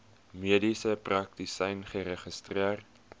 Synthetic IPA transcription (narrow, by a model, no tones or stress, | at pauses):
miədisəprɐk̚tisɛjnχəɾəχəstriərt